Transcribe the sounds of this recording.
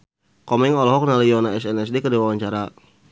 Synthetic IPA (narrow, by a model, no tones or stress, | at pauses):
kɔmɛŋɔlɔɦɔk̚nalijɔnaɛsɛnɛs̬dekədiwawaɲt͡ʃaɾa